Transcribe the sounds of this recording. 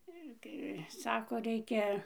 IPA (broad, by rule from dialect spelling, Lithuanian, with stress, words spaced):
ˈɪr kɐɪ ˈsɑːkoː ˈrʲɛɪkʲɛ